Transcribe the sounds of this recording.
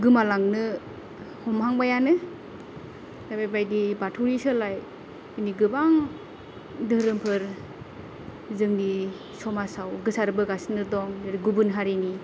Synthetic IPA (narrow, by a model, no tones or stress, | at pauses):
ɡɯmalaŋnɯ | hɔmɦaŋbajanɯ | dajbajbajdibatʰuɾisɯlaj | ɯniɡɯbaŋ | dɯhɾɯmpʰɯɾ | zɯŋni | sɔmasawɡɯsaɾɯbɯɡasnɯdɔŋdɯɾiɡubɯnɦaɾini